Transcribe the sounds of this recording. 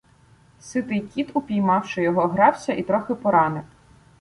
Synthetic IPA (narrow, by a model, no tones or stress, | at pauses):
sɪt̪ɪjkʲit̪ʊpʲijmɑwʃɪjɔɦɔɦɾɑwsʲɐʔit̪ɾɔxɪpɔɾɑnɪw